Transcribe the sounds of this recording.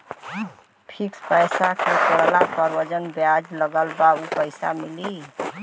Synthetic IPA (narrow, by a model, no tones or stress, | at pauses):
pʰikspəjsakekoɽlapəɾwəd͡ʒənbjad͡ʒləɡəlbaupəɪsa̰mili